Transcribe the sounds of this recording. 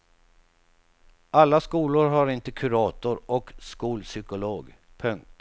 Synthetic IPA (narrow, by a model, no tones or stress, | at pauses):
ʔalːaskuːlʊɾɦaɾɪnt̪əkʰɵɾɑːt̪ʊɾɔkskuːlsʏkʊloːɡ | pʰɵŋk̚t̪